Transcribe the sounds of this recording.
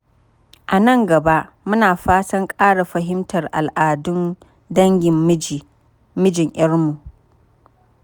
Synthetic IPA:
ʔa˨nɐ˦˨ŋɡɐ˨ba˦ʔ | mʊ˦naː˨ɸaː˦sɐ˦ŋkʼaː˦ɽa˨ɸɐ˨ɦɪ˦mtɐ˨rʔa˨lʔaː˨dʊ˦n | dɐ˦ŋɡʲɪ˨m˦d͡ʒi˨ | mɪ˦d͡ʒɪ˨ŋʔɪ˦rmu˨ʔ

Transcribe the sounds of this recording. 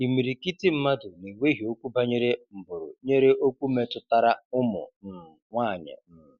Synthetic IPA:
i˨mi˨ɾi˨ki˦ti˦m̩˦ma˦dʊ˨ni˨wʷe˦ɦi˨o˦kʷu˦ba˦ɲe˦ɾe˦m̩˨bʊ˨ɾʊ̰˨ɲe˦ɾe˦ʔo˦kʷu˦me˦tʊ˦ta˦ɾa˦ʊ˦mʊ̰˨n̩˨ŋʷaː˦˨ɲɪ̰˨˦˨

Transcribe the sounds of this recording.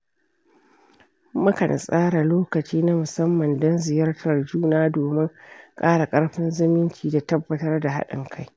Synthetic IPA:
mɐ˦kɐ̰˨n˨sʼaː˦ɽa˨loː˦kɐ˨t͡ʃiː˦na˦mʊ˨sɐ˦mːɐ˨ndɔ˦nzɪ˨jɐ˦rtʰɐ˨rd͡ʒuː˦naː˦doː˨mɪ˦ŋkʼaː˦ɽa˨kʼɐ˦ɽɸɪ˦nzɪ˦mɪ˦nt͡ʃiː˨da˨tɐ˦bːɐ˨tɐ˦rda˨ɦa̰˦ɗɪ̰˨ŋkʰa˦j

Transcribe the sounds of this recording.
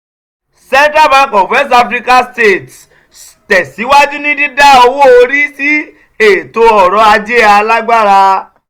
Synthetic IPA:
sɛ̃˦n˦tɾa˦mã˨˦kɔ̃˨wɛ˦st̬a˧fɾi˦ka˦ste˦˨t | tɛ˨si˨˦wa˦d͡ʒi˦nĩ˦dĩ˦da˦˨o˧wo˦o˧ɾi˦si˦ | e˨to˧ɔ˨ɾɔ˨˧a˧d͡ʒe˦a˧la˦ɡ͡ba˦ɾa˧

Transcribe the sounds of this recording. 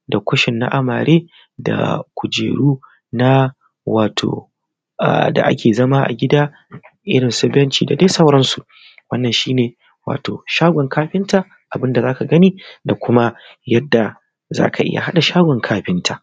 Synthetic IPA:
da˨kʷʊ˦ʃɪ˨nːa̰˦ʔa˦mɐ̰˨ɾeː˦ | da̰˨kʷʊ˨d͡ʒḛː˨ɽuː˦ | na˦ | waː˨tʰo̰ː˨ | a̰˨da̰˨ʔa̰˦kʲeː˨zɐ˦ma˦ʔa̰˨ɡʲɪ˦daː˦ | ʔɪ˦ɽɪ˨nsɐ˦bɛ˦nt͡ʃiː˨da˨de˦sɐ˦wɾɐ˦nsu˨ | wɐ˦nːɐ˨nʃiː˦neː˨ | wa̰ː˨toː˨ʃaː˦ɡʷɔ˨ŋkaː˦ɸɪ˦nta˨ | ʔa˨bɪ˦nda˨zaː˦ka˨ɡɐ˦niː˦da˨kʷʰʊ˦ma˦ | jɐ˦dːa˨ | za̰ː˦ka˨ʔɪ̰˦ja̰˨ɦa˦ɗa˨ʃaː˦ɡʷɔ˨ŋkʰaː˦ɸɪ˦ntʰa˨ʔ

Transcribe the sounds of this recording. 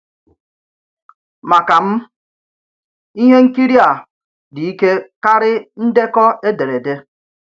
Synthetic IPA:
ma˨ka˨m̩˦ | i˦ɦe˦ŋ̩˦ki˦ɾi˦a˨ | di˨i˦ke˦ka˦ɾɪ˦n̩˦de˦kɔ˦e˦de˨ɾe˨de˦

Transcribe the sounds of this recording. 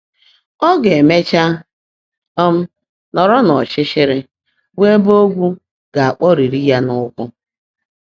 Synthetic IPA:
ɔ˦ɡe˨me˦t͡ʃa˦ | ɔ˦m̩˦ | nɔ˨ɾɔ˦nɔ˨t͡ʃɪ˦ʃɪ˦ɾɪ˦ | we˦bo˦ɡʷu˦ | ɡ̥a˨a˨k͡pɔ˦ɾi˨ɾi˦ja˦nʊ˦kʷʊ˦

